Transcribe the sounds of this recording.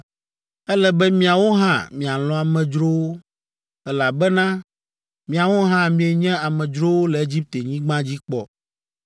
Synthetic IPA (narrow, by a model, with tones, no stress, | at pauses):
ɛ˦lɛ˨bɛ˦mĩ˦a˨wo˦ɦã̰˦˨mĩ˨a˨lɔ̃˦a˨mɛ̃˨d͡ʒɾo˦wo˦ | ɛ˦la˨bɛ˦nã˦ | mĩ˨a˨wo˦ɦã˦mĩ˨e˨ɲɛ̃˦a˨mɛ̃˨d͡ʒɾo˦wo˦lɛ˨e˦d͡ʑi˦p̚t̪e˨ɲĩ˦ɡ͡bã˦d͡ʑi˦k͡pɔ˨